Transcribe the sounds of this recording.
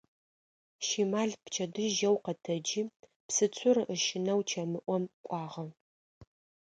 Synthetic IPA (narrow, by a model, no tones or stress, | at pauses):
ʃimaːɮpt͡ʃʰɐdɨʒɐwqɐtʰɐd͡ʒiː | psɨt͡sʷʰʊrɨʔəʃɪnɐwt͡ʃʰɐmɨʔʷɔmkʷʼɑːʁɐ